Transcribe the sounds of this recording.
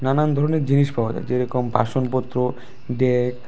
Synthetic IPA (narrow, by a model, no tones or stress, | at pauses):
nanand̪ʱɔɾoneɾd͡ʑiniʃbɔbot̪a̰d͡ʑeɾɔkompa̰ʃonpot̪ːɾo | ɖek